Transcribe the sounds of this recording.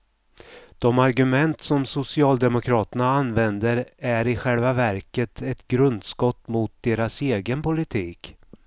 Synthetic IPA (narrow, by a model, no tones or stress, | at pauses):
d̪̥ɔmaɾɡɵmɛnt̪sɔmsʊsɪɑːld̪ɛmʊkʰɾɑːt̪ənaanvɛnd̪əɾæɾɪɧɛlvavæɾkət̪ʰɛt̪ɡɾɵnd̪skɔt̪ːmʊt̪̚d̪eːɾaseːɡənpʊlɪt̪ʰiːk